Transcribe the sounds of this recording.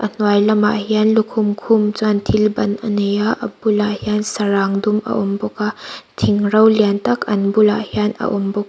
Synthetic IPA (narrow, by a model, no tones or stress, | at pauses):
ʔɐn̥wajlɐmaɦianlukʰumkʰumt͡santʰilbɐnɐnejaʔɐ̰bulahjansɐɾaŋdumɐ̰ʔɔmbɔkatʰiŋɾɐwljantɐkʰɐnbulaʔhjanɐ̰ʔɔmbɔk̚